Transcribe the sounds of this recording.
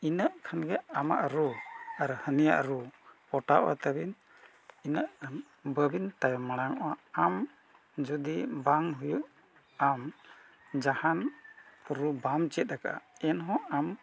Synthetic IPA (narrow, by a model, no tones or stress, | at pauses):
inəʔkʰanɡɛama̰ʔɾuaɾhənija̰ʔɾupɔʈaʔwa̰t̪abin | inəʔ | bəbint̪ajmaɽ̃aŋɔʔaam | d͡ʒud̪ibaŋɦujuʔ | am | d͡ʒahan | ɾubamt͡ʃɛt̪̚ɾaka̰ɛnɦɔ̃am